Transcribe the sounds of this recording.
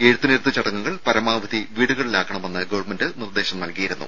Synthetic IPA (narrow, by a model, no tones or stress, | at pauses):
eɻut̪ːuneɾt̪ːɨt͡ɕɐɽɐŋːuŋːɐɭpɐɾɐmaːʋɐðiʋiːɽuɣɐɭilaːkːɐɳɐme̞nːɨɡɐʋɐrmendɨnird̪eːɕɐmnɐlkijiɾunːṵ